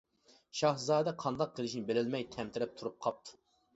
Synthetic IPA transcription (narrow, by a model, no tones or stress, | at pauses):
ʃɑhzɑːd̪ɛqʰɑnd̪ɑq̚qʰːəlˠɪʃnɪbelɪlmɛjt̪ʰɛmt̪ʰɪɾɪp̚t̪ʰuɾup̚qʰɑp̚t̪ʰu̥